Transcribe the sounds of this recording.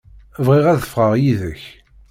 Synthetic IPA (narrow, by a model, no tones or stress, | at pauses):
vʁiʁæðəfʁəʁjiðəç